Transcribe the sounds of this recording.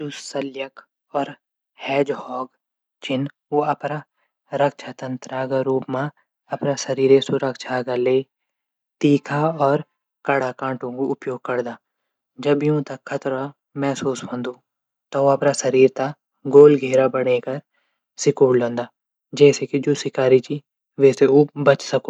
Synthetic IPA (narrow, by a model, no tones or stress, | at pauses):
d͡ʒʊsɐljək | ɔːɾ | hɛːd͡ʒhɔːɡ | t͡ʃɪn | oɐpna | ɾɐkʃʰat̪ɐ̃nt̪ɾaːɡaɾuːpmã | ɐpnasɐɾiːɾesʊɾəkʃʰaɡaleː | t̪iːkʰaɔːɾ | kɐɽakãːɳʈõkoʊpjoːɡ̚kɐɾd̪aː | d͡ʒɐbjũːt̪ɐkʰːɐt̪ɾa | mɛːsuːsɦɐ̃ːnd̪oː | t̪ɔʋoɐpnasɐɾiːɾt̪a | ɡoːlɡʱeːɾabɐɽ̃eːkɐɾ | sɪkoːɽlõːnd̪aː | d͡ʒɛːsekid͡ʒoːsɪkaːɾit͡ʃi | ʋɛːseobɐt͡ʃsɐkoː